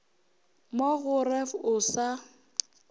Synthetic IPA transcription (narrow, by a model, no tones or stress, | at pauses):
moɣʊrɛfʊsa